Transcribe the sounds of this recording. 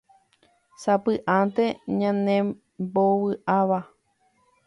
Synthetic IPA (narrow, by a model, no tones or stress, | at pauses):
sapɨʔãnt̪eɲãnẽ | bowɨʔaʋa